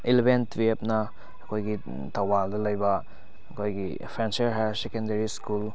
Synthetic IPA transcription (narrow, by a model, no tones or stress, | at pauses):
ilebentbep̚nɐː | kʰojɡi | tʰawbaldɐlɐjbɐ | ɐkʰojɡi | pʰɾenseɾɦaɾsekendeɾiskul